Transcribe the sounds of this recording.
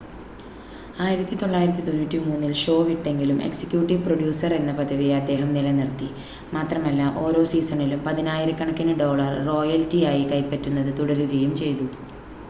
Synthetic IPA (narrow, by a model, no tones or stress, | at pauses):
aːjiɾɐt̪ːit̪o̞ɭːaːjiɾɐt̪ːit̪o̞nːuːtːimuːnːilʂo̞ːʋiʈːe̞ŋɡilume̞̰ksi̥kːjuːʈːiʋproɖjuːsɐre̞nːɐpɐd̪ʱɐʋijeɐd̪ːe̞ːɦɐmnilɐnirt̪ːi | maːt̪rɐmɐlːɐʔo̞ːɾo̞ːsiːsɐɳilumpɐðinaːjiɾɐkːɐɳɐkːɐnɨɖo̞ːɭɐrːo̞ːjɐltːiaːjikɐjpːɐtːunːɐðɨt̪uɽɐɾuɣɐjumt͡ɕe̞jt̪u